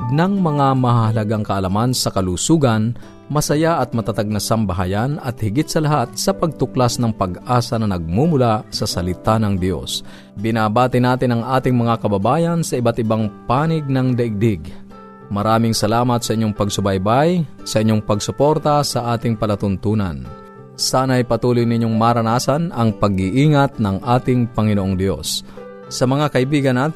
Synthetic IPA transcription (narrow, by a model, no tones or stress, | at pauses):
nɐŋmɐŋamɐhahɐlɐɡaŋkɐʔɐlamansɐkɐluːsuːɡɐn | mɐsɐjaʔɐt̪̚mɐt̪at̪aɡ̚nɐsɐmbɐɦajanɐt̪̚hɪɡɪt̪̚sɐlɐɦat̪̚sɐpɐɡ̚t̪ʊklasnɐŋpɐɡʔaːsɐnɐnɐɡ̚mumʊlasɐsɐlɪt̪anɐŋd̪jo̰s | bɪnaːbaːt̪ɪnaːt̪ɪnɐŋʔaːt̪ɪŋmɐŋakɐbɐbaːjɐnsɐʔɪbat̪ɪbaŋpaːnɪɡ̚nɐŋd̪ɐʔɪɡ̚d̪ɪɡ | mɐɾaːmɪŋsɐlaːmɐt̪̚sɐʔɪɲːoŋpɐɡsʊbajbajsɐʔɪɲːoŋpɐɡsʊpoɾt̪asɐʔaːt̪ɪŋpɐlɐt̪ʊnt̪uːna̰n | saːnaʔɐjpɐt̪uːlʊjnɪɲːoŋmaɾɐnaːsanɐŋpɐɡɪʔiːŋat̪̚nɐŋʔaːt̪ɪŋpɐŋɪnoʔoŋd̪jo̞̰sː | ɐmɐŋakɐibiːɡɐnːat̪